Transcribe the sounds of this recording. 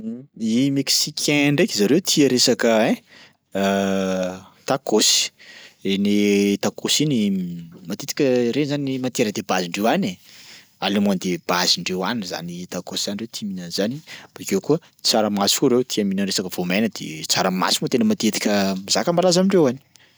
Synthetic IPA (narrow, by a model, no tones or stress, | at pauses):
imeksikʲʰeɳɖ͡ʐekʲizaɾewt̪ʰiəɾesakəɛ̃ | t̪akosi̥enet̪akosinimat̪et̪i̥kʲəɾezanimant̪eɾəd̪ebaziɳɖ͡ʐewane | alemuand̪eb̥aziɳɖ͡ʐewanza̰nit̪akosizaniɳret̪ʰiminənzanib̥akewkuə | t͡saɾəmaskuɾewt̪ʰiaminənɾesakəv̥omajnəd̪̥ḛt͡saɾəma̰simuot̪enəmat̪et̪i̥kʲəmiz̥akəmbalazamiɳɖ͡ʐewani̥